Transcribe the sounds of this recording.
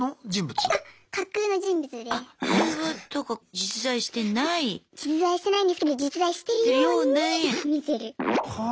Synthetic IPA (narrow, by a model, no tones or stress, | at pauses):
od͡ʑĩmbɯ̟t͡sɨakakːɯːno̞d͡ʑĩmbɯ̟t͡sɨd̪easβat̪okad͡ʑit͡sɨzaiɕi̥t̪e̞naid͡ʑit͡sɨzaiɕi̥t̪e̞naĩɲfɯ̥t̪od̪ed͡ʑit͡sɨd̪aiɕi̥t̪e̞ɾɯjonemʲise̞ɾɯ̟h